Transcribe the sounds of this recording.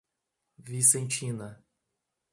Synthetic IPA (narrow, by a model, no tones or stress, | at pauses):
visẽnt͡ʃĩnɐ